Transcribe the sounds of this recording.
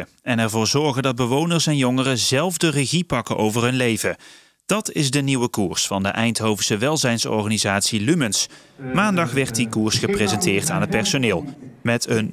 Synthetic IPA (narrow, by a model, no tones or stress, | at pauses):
ɛnɛɹvʊːɹzɔɹɣəndɑd̚bəʋownəɹsɛnjɔŋərəzɛlˠvdərəɣipɑkəʔowvərɦɵnlejvə | d̥ɑtɪzdəniwəkuːɹsfɑndəʔɛjntɦowvəsəʋɛlˠzɛjnsɔ̰ɹχaːnizaːtsilyməns | maːndɑχʋɛɹt̚dikuːɹsχəprezɛntɪːɹtaːnɦət̚pɛɹsonɪːlˠmɛtʰən